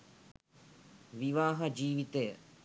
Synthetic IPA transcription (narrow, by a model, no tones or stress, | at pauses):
ʋiʋaːɦɐd͡ʒiːʋit̪ejə